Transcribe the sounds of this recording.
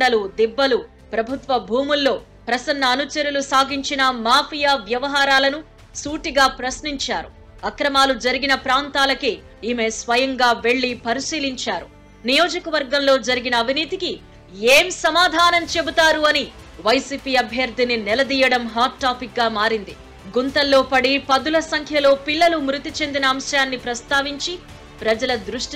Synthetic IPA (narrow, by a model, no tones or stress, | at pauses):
ɖɐlud̪ibːɐlu | pɾɐbʱut̪ʋɐbʱuːmulːo̞ː | pɾɐsɐnːɐːnut͡ʃɐɾulusaːɡiɲt͡ʃinɐmaːpʰijaːʋjɐʋɐɦaːɾaːlɐnu | suːʈiɡaːpɾɐsniɲt͡ʃaːɾu | ɐkɾɐmaːlud͡ʒɐɾiɡinɐpɾaːnt̪aːlɐke | iːmesʋɐjɐŋɡaːʋe̞ɭːipɐɾisiːliɲt͡ʃaːɾu | nijo̞ːd͡ʒɐkɐʋɐɾɡɐmlo̞ːd͡ʒɐɾiɡinɐːbʱiniːt̪iki | eːmsɐmaːd̪ʱaːnɐmt͡ʃe̞but̪aːɾuɐni | ʋɐjsiːpiːɐbʱjɐɾd̪ʱininɛlɐd̪iːjɐɽɐmɦaːʈːaːpik̚ɡaːmaːɾind̪i | ɡunt̪ɐlːo̞ːpɐɽipɐd̪ulɐsɐŋkʰjɐlo̞ːpiɭːɐlumɾut̪it͡ʃe̞nd̪inɐːmʃjaːnːipɾɐst̪aːʋiɲt͡ʃi | pɾɐd͡ʒɐlɐd̪ɾuʂʈ